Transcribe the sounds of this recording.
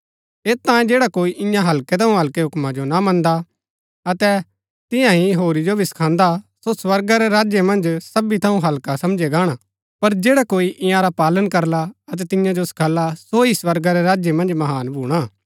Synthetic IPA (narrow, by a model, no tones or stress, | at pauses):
eːt̪ãːẽd͡ʒeːɽakoːiʔɪ̃jãɦɐlket̪ʰɐũɦɐlkeɦʊkmãd͡ʒonamɐ̃nd̪a | ɐt̪ɛ | t̪ɪ̃jãɦiɦoːɾid͡ʒobʱisɐ̥kʰãːnd̪asoswɐɾɡaɾɛɾaːd͡ʒjemɐ̃nd͡ʒsɐbit̪ʰɐũɦɐlkasɐmd͡ʒeɡaːɽ̃a | pɐɾd͡ʒeːɽakoːiʔɪ̃jãɾapaːlənkɐɾlaɐt̪̬ɛt̪ɪ̃jãd͡ʒosɐ̥kʰaːlasoiswɐɾɡaɾeɾaːd͡ʒemɐ̃nd͡ʒmɐɦaːnbʱuːɽ̃aː